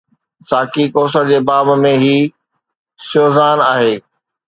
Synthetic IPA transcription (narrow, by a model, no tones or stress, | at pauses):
saːkikoːs̬əd͡ʑeːbaːbmẽɦiː | soːzaːnaːɦeː